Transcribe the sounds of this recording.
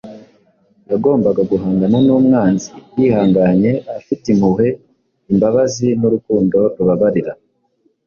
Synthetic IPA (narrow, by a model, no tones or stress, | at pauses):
jaɡo̞ːmbaɡaɡuɦaːŋɡananuːmŋaːnzijihaːŋɡaɲe̞afitimuɦe̞ | imbaβazinuɾukuːndo̞ɾuβaβaɾiɾa